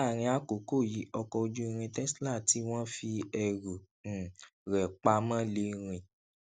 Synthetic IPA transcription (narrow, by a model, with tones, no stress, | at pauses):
a˦˨ɾ̃ĩ˧a˦ko˨˦ko˦˨ji˨˦ɔ˧kɔ˧d͡ʒu˦i˧ɾ̃ĩ˧tɛ˦sla˦˨ti˨˦w̃ɔ̃˦fi˧ɛ˨ɾõ˨ | ɾɛ˨k͡pa˧˦mã˦le˧ɾ̃ĩ˧˨